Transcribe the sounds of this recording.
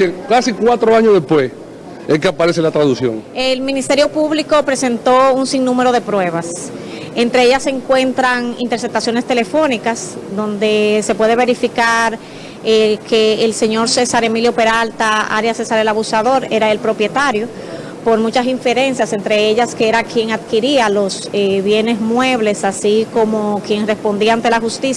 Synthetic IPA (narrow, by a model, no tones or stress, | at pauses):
ekasikwat̪ɾoaɲoðehpwes | eŋkeapaɾeselat̪ɾaðusjo̰ŋelmĩnist̪eɾjo̞puβliko̞pɾe̞se̞nt̪o̞uŋsiŋnũme̞ɾo̞ðe̞pɾwe̞β̞asent̪ɾe̞eʝase̞ŋkwe̞nt̪ɾaŋḭnt̪eɾse̞p̚t̪asjo̞ne̞st̪e̞le̞fo̞nikasd̪o̞nd̪e̞se̞pwe̞ð̞e̞β̞e̞ɾifikaɾ | ekʰeːlse̞ɲo̞ɾse̞saɾe̞miljo̞pe̞ɾalt̪aa̰ɾjasesaɾe̞laβusaðo̞ɾe̞ɾaelpɾo̞pje̞t̪aɾjo̞ | po̞ɾmũt͡ʃasiɱfe̞ɾe̞nsjase̞nt̪ɾe̞e̞ʎaskeeɾakje̞ŋaðkiɾialo̞s | eβje̞ne̞smwe̞β̞le̞sasiko̞mo̞kje̞ŋre̞spo̞nd̪iant̪e̞laxust̪is